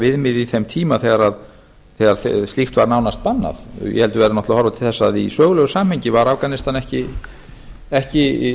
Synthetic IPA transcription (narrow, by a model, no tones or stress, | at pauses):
vɪðmɪðiθɛmt̪ʰiːmaθɛːɣaɾað | θɛɣaɾ̥θst̪ixt̪vaɾnaːwnast̪̚panːa̰θjɛ̰hɛlt̪ʏvɛːɾanɔht̪lahɔɾvat̪ʰɪlθɛsːaːðisœːɣʏlœɣʏsaːmhɛɲcɪvaɾafkanɪst̪anɛhcɪ | ɛhcɪ